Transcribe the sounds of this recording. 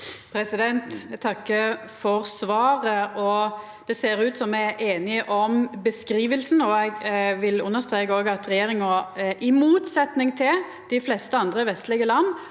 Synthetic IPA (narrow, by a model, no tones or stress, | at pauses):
pʰɾɛsɪd̪ɛnt̪t̪ʰɑkːəfɔʁsʋɑːʁəɔ | d̪̥ɛseːɾʉːt̪sɔmːæɪʔeːnɪʔɔmbəskɾiːʋəlsn̩ɔɛɪɡʋɪlʉ̰nːəʁst̪ɾeːkəoːɡəɑt̪ɾɛjeːɾɪŋɑʔɪmuːt̪sɛt̪nɪŋt̪ʰɪl | d̪̥ɪflɛst̪əɑnd̪ʁəʋɛst̪lɪɡəlɑnː